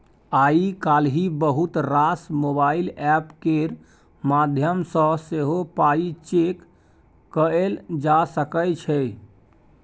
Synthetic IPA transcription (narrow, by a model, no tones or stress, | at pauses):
aikalɦibəɦut̪ɾasmobailɛpkeɾ | mad̪ʱjəmsə̃seɦopait͡ʃekː | əeld͡ʒasəkəjt͡ʃʰɛ